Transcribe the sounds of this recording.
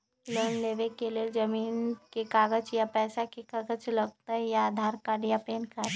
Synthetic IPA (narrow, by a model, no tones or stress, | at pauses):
ləːnleːʋekeleːld͡ʒɐmiːnkekaːɡət͡ʃjapɛːsakekaɡət͡ʃlɐɡ̚t̪aɦɛjaaːd̪ʱaːɾkaːɖijapeːnka